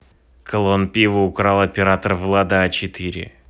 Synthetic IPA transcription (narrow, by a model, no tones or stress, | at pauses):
kəlˠonpʲivəʊkɾalˠɐpʲɪɾat̪ərvlˠad̪əat͡ɕɪt̪ɨɾʲɪ̰